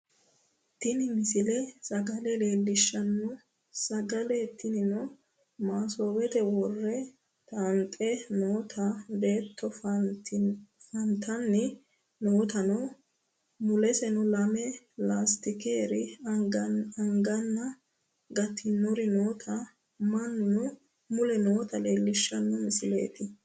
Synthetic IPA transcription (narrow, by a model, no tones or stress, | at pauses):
t̪ːɪnɪmɪsɪlɛsɐɡɐlɛleːlːɪʃːɐnːɔ | sɐɡɐlɛt̪ːɪnɪnɔ | maːsoːwɛt̪ɛwɔrːɛ | t̪ant̪ʼːɛnoːt̪ʰɐbe̞ːt̪ʰːɔf | fɐnt̪ʰɐnːɪ | noːt̪ɐnɔ | mʊlɛsɛnʊlɐmɛ | laːst̪ɪkeːɾɪ | ɐŋɡɐnːɐ | ɡɐt̪ʰːɪnːɔɾɪnoːt̪ʰɐ | mɐnːʊ | mʊlɛnoːt̪ɐle̞ːlːɪʃːɐnːɔmɪsɪle̞̰ːt̪ɪ